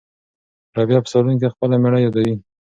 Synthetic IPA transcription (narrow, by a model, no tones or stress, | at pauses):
ɾɑbjɑpə̥saɾunk̬expəlameɽajɑd̪awi